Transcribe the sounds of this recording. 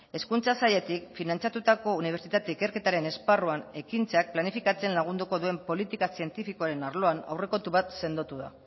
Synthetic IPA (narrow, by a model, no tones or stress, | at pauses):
e̞skunt͡sasaje̞t̪ikfinant͡sat̪ut̪ako̞uniβ̞eɾt͡sit̪at̪e̞ike̞ɾke̞t̪aɾe̞ne̞sparoane̞kint͡sak̚planifikat͡se̞nlaɣ̞und̪uko̞ðue̞mpo̞lit̪ikasie̞nt̪ifiko̞aɾe̞naɾlo̞ana̰wre̞ko̞t̪uβat̪se̞nd̪ot̪uða̰